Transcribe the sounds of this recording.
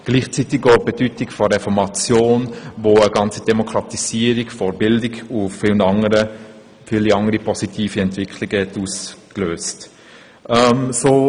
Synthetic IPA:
ɡ̥liːχt͡sitɪkobedytɪkfɔɾɛfɔɾmɑt͡sjoːnvoːəɡɑnt͡sid̥ɛmokʰɾɑtisiːəɾikfɔɾbɪldɪɡʊfɪlnɑŋəɾə | fɪliɑŋəɾipɔsitʰiːfiɛntv̥ɪkʰlɪɡəhɛtuːskløːst | ʔɛmsoː

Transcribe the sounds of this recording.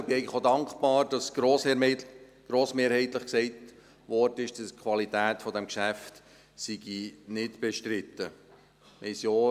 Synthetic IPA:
b̥ɪɛɪɡləχodɑŋkb̥ɑːɾd̥ɑsɾoːs | ɡ̥ɾoːsmeːɾhɛɪt̪ləχksɛɪt | ʋɔrdəɪʃd̥ɑskʰʋɑlit̪æːt̪fɔdɛmkʃæft | siɡ̥inɪtb̥ɛʃtɾɪt̪ːə | mɛsjoː

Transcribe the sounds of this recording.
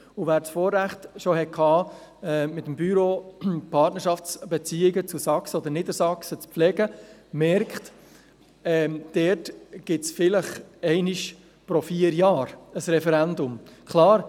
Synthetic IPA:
uvæːɾsfoːɾːæχt̪ʃohɛkʰhɑːɛːmɪt̪əmbyɾoːpʰɑtnəɾʃɑft͡sb̥ɛt͡siːɪɡət͡susɑksəod̪ənɪd̪əɾsɑksət͡spflɛɡəmɛɾkχt | ɛd̥ɛtɡ̥ɪtsfɪləχɛɪnɪʃ | pɾofiːəɾjɑːɾəsɾɛfɛɾænd̪ʊmkʰlɑːɾ

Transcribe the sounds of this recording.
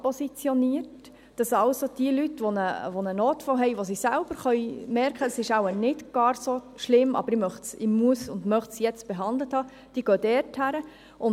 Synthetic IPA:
posit͡sjoniəɾt | d̥ɑsɑlsod̥iəlytʋonəʋonənoːtfoɦɛjʋosisælb̥əɾχœʏmɛɾkədɑsɪʃɑʊənɪtɡ̥ɑːɾso | ʃlɪmɑ̰bəɾɪmœχtsɪmuəsʊndmœχtsjɛt͡st̚b̥eɛɦɑndləthɑː | d̥iəɡ̥øːdɛːɾthæɾə | ʔʊn

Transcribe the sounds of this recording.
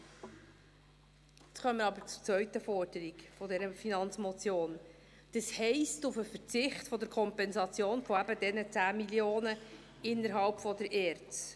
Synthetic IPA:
ɛt͡sχœməɾɑbəɾt͡su̥ɾt͡svœʏtəfɔɾd̥əɾikfɔdɛɾəfinɑnt͡smɔt͡sjoːn | d̥əshɛɪstʊfəfəɾt͡sɪχtfɔd̪əɾkʰɔmpɛnzɑt͡sjoːnfɔæbədɛnət͡sæːmiljoːnə | ɪnːəɾɦɑlpfɔd̪əɾʔɛːɾt͡s

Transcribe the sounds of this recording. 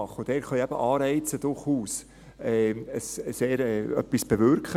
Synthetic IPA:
ɑχod̥̪ɛːɾχœjɛb̥əʔɑːɾɛɪt͡səd̪̥ʊɾχuːs | ɛːəsseːɾɛːœ̰pːisb̥evʏɾkχə

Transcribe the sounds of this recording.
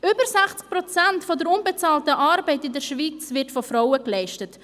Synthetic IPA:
ʏbəɾsɛχt͡sk̚pɾɔt͡sɛntfɔdəɾʊnbɛt͡sɑːltəʔaːɾbɛɪtɪndəɾʃviːt͡svɪtfɔfɾaʊəklɛɪʃtət

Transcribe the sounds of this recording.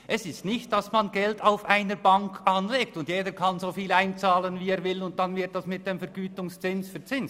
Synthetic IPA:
ʔɛsɪstnɪçt̚d̥ɑsmɑnɡɛltaʊfʔaɪnəɾbɑŋkʰʔɑnleːk̚tʊndjeːdəkʰɑnzoːfiːlaɪnt͡saːlənvieːɾvɪlʊnt̚d̥ɑnvɪɾt̚d̥ɑsmɪt̚d̥eːmfɛɾɡyːtʊŋst͡sɪnsfyɐt͡sɪns

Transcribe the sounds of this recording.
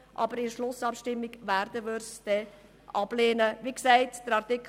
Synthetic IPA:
ʔɑ̰bəɾɪʃlʊsɑpʃtɪmːɪɡʋæɾd̥əʋʏɾsd̥ɛ | ʔɑb̥leːnəʋiksɛɪtd̥əɾɑrtɪkʰ

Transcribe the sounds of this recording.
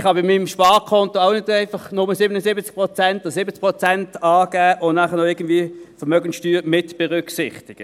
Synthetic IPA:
χhɑbɪmːimʃpɑːʁkʰɔntoaʊnɪdæɪfɑχnʊməsɪbənəsɪbət͡sk̚pʁot͡sɛntosɪbət͡sk̚pʁot͡sɛntɑːɡ̥æːʔʊnnæχənoɪɡ̥əndviːəfəʁmœɡən̩sʃtyːʁmɪtb̥ɛʁʏksɪχtɪɡ̥ə

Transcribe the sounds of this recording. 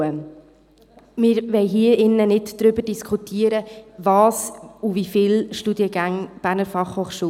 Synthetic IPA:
ə | mɪːɾʋɛɪɦiəɪnːənɪdd̥ɾʏbəd̥iskʰχutʰiəɾəvɑːsuvifɪlʃtudiəɡæŋb̥æɾnəɾfɑχhoːχʃuː

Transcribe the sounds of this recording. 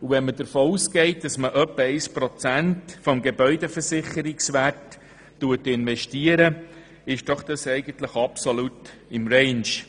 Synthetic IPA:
uvɛnmədəɾfoːusɡɛɪt̚d̥ɑsməʔœpːəɛɪspɾɔt͡sæntfɔmɡebœʏdɛfəɾsɪχəɾɪksʋætː | uətɪnʋɛʃtiəɾə | ɪʃd̥ɔχd̥ɑsɛɪɡənt̪ləχɑpsɔlut | ɪmɾɛɪnʃ

